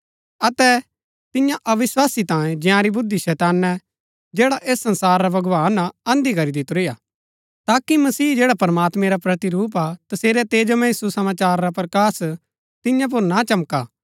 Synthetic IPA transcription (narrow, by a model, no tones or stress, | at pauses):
ɐt̪ɛ | t̪ɪjãʔɐʋɪswaːsit̪ãːẽd͡ʒɪ̃jãɾibʊd̪ːiʃɛːt̪aːnːɛ | d͡ʒɛːɽaʔeːsːɐ̃nsaːɾːabɐɡʋaːnaɐ̃nd̪ikɐɾid̪ɪt̪ɾeja | t̪aːkimɐsiːd͡ʒeːɽapɐɾmaːt̪mɛ̃ɾapɾɐt̪iɾuːp̬at̪ɐseːɾɛt̪eːd͡ʒəmɛisusɐmaːt͡ʃaːɾːapɾɐkaːs | t̪ɪ̃jãp̬ʊɾnat͡ʃɐmka